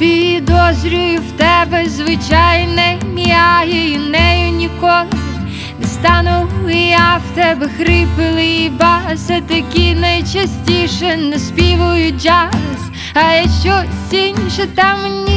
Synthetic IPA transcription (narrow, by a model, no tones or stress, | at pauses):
pʲid̪ɔzɾʲʊjʊwt̪ɛbɛzʋɪt͡ʃajnɛmʲijaɦɪinɛjʊnʲikɔlˠɪ | nɛst̪ɑnʊɪjawt̪ɛbɛxɾɪpɪlˠɪibɑsɛt̪ɐkʲinɐjt͡ʃɐsʲtʲiʃɛnɐspʲiʋʊjʊd͡ʒas | ɐɐʃt͡ʃɔsʲinʲʃɛt̪ɑmnʲi